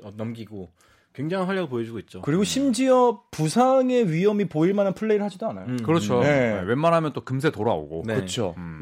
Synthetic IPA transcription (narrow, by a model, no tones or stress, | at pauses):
ʌnʌmɡiɡo | kwe̞ŋd͡ʑaŋɯnɦwaʎːaɡɯɭpojʌd͡ʑiɡoit̚t͡ɕ͈okɯɾiɡoɕʰimd͡ʑiʌpusʰaŋe̞ɥijʌmipoiɭmananpʰɯɭːe̞iɾɯɭhad͡ʑidoanajokɯɾʌt͡ɕʰone̞ewenmanɦamjʌnt͈okɯms̬ʰetoɾao̰ɡo̰kɯt͡ɕʰo̰